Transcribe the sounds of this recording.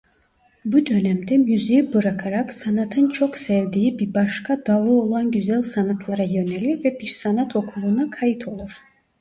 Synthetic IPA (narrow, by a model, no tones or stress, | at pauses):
bud̪ø̞næmd̪ɛmyzejibɯɾakʰaɾaksanat̪ʰɯnt͡ʃʰoksɛvd̪iːibiɾbaʃkʰad̪alˠɯo̞lˠanɟyzælʲsanat̪ʰlˠaɾajø̞nɛlʲiɾvɛbiɾsanat̪ʰo̞kʰulˠuːnakʰajit̪ʰo̞lˠuɾ̥